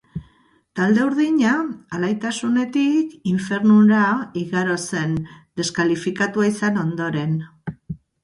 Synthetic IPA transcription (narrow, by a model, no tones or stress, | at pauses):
t̪ald̪e̞uɾðiɲaːlajt̪asune̞t̪ikiɱfe̞ɾnuɾaiɣaɾo̞se̞nd̪e̞skalifikat̪uaisano̞nd̪o̞ɾe̞n